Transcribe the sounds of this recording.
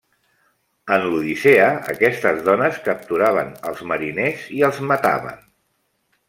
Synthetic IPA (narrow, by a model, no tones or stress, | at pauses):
ənluð̞iseəə̰kɛst̪əzðɔnəskəp̚t̪uɾaβ̞ənəlˠzməɾineziəlˠzmət̪a̰βə̰n